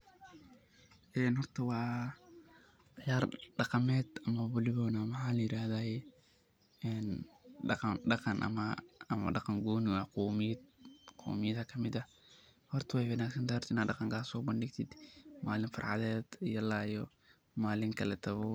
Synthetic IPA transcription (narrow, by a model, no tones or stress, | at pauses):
ʔɛːnɦɔrt̪ʰɐwɑː | jaːrɖɑqɑmɛːd̪ɐmɐbʊlɪβɔːnamɑħaːlɐjɪɾaːhðaː | ɛːnɖɑqɑnɖɑqɑnʔɐ̰mɐɐmɐ̰ɖɑqɑŋɡuːnwɑːqɔmɪd̪qʰɔ̰ːmɪjɐðɐkʰɐmɪd̪ɐ | hɔrt̪ʰɐwɛjwɐnaːksɐnt̪aːɾt̪ɪnaːd̪ɖɑqɑŋkʰaːsɔːbɐnɖɪɡt̪ʰɪd̪maːlɪnfɑ̰rʕɑ̰ðɛːd̪ijɔlaːjɔ | maːlɪŋkʰɐlɛt̪ʰɐβɔ